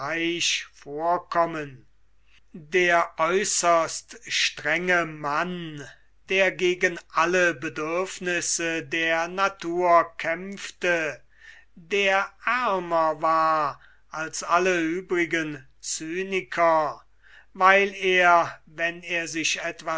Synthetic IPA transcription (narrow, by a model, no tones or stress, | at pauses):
aɪʃfoːɐkʰɔmən | deːɐʔɔʏsɐstʃtʁɛŋəman | d̥eːɐɡeːɡənʔaləbədʏɐfnɪsədeːɐnatʰuːɐkʰɛmftə | deːɐʔæɐmɐvaːɐ | ʔalsaləyːbʁɪɡən | t͡syːnɪkʰɐ | vaɪleːɐvɛneːɐzɪʃɛtv̥a